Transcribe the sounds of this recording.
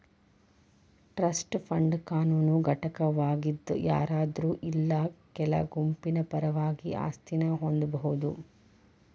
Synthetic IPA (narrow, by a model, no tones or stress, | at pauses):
ʈɾɐsʈpʰɐɳɖkaːnuːnuɡʱɐʈɐkɐʋaːɡid̪ːṵja̰ːɾaːd̪ɾuːʔilːɐkɛlɐ̰ɡumpinɐpɐɾɐʋaːɡiʔa̰ːst̪ʰinɐɦond̪ubɐɦud̪ṵ